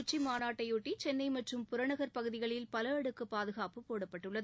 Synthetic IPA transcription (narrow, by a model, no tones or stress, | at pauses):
ʊt͡ʃːimaːnaːʈːɐjuʈːit͡ʃɛnːɐɪmɐʈrɯmpʊɾɐɳɐɣɐɾpɐɣɯðɪɣɐɭɪlpɐlɐɐɽɯkːɯpaːðɯɣaːpɯpoːɽɐpːɐʈːɯɭːɐðɯ